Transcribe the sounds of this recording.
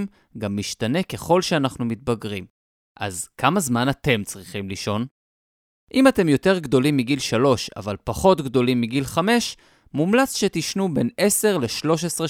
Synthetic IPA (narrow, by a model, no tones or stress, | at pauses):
m | ɡamːiʃtane̞ke̞χo̞lʃeanaχnumit̚baɡʁim | ʔa̰zkʰamazmanat̪e̞mt͡sʁiχimliʃo̞n | ʔimate̞mjo̞te̞ʁɡdo̞limːiɡilʃalo̞ʃa̰valpaχo̞tɡdo̞limːiɡilχame̞ʃ | mumlat͡sʃetiʃnube̞ne̞se̞ʁle̞ʃlo̞ʃ̬esʁe